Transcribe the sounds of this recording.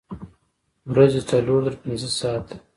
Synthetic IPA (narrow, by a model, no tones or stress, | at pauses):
wɾazet͡saloɾd̪əɾpɪnzəsɑːt̪